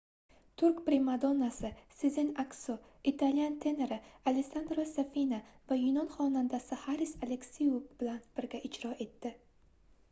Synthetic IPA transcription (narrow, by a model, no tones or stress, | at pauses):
t̪ʰʊɾkʲpɾemad̪onasɪsɪzɪnakso | it̪ʰalijant̪ʰe̞ne̞ɾɪalesand̪ɾosafinavajʊnɒnχɒnand̪asɪhaɾisale̞ksijuvbɪlanb̥ɪɾɡʲaʔɪd͡ʒɾɒʔe̞t̪ːɪ